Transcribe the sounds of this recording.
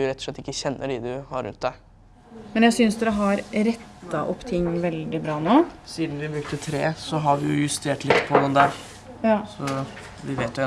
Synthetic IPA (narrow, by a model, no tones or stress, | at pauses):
ʊɾɛt̪ːɔ̥ʂlɛt̪ːɪkːəçɛnːʔəɖid̪ʉhɑɾʉ̰nt̪̚d̪æɪ | mɛnjæɪsʏnsd̪ɛɾəɦɑɾɾɛt̪ːɑʔɔpːt̪ʰɪŋːʋɛld̪ɪbɾɑːnoːsiːd̪nʋɪbɾʉk̚t̪ət̪ʰɾeːsɔɦɑɾʋɪjʊjʉst̪ʰeːʈlɪt̪ːpʰɔd̪ɛnd̪æɾ | sɔ | ʋɪʋeːt̪jʊɛ